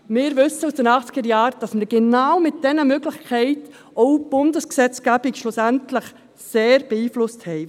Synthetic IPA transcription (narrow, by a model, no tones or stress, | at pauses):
mɪːɾvʏsːəusd̥ənɑχt͡sɡ̥əɾjɑːɾd̥ɑsməɾɡ̥ɛnaːwmɪt̚d̥ɛnəmøɡlɪçkʰɛɪt | ɔwb̥ʊndəsksɛt͡sɡ̥æbɪɡʃlʊsæntləχ | seːɾb̥ɛiːflʊsthɛɪ